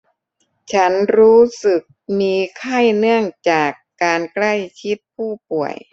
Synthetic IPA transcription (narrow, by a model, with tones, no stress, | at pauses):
t͡ɕʰa˦˥nɾuː˦˥sɯ˨˩k̚miː˧kʰa˥˩jnɯ˥˩əŋt͡ɕaː˨˩kːaː˧nkla˥˩jt͡ɕʰi˦˥t̪̚pʰuː˥˩pu˨˩əj